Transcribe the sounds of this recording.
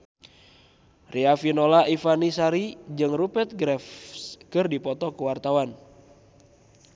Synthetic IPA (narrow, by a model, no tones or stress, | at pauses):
rʔiafinolaʔifanisaɾid͡ʒɨŋrupɛt̪̚ɡɾɛfskɨrdipɔt̪ɔkuwart̪awan